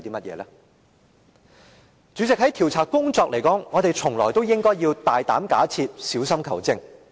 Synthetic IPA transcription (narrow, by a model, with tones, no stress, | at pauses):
t̪iː˥mɐ˥t̚jɛ̰ː˨˧lɛː˥ | t͡ʃyː˨˥t͡sɪ˨k̚hɐ˨˥jt̪ʰi˨˩wt͡sʰaː˨˩k̚kːʊ˥ŋt͡sɔː˧k̚le˨˩jkɔː˨˥ŋːɔː˨˧t̪e˨˧jt͡sʰʊ˨˩ŋlɔː˨˩jt̪o˥wjɪ˥ŋkɔː˥jiː˧wt̪aː˨jt̪a̰ː˨˥mkaː˨˥t͡sʰiː˧t̚siː˨˥wsɐ˥mkʰɐ˨˩wt͡sɪ˥ŋ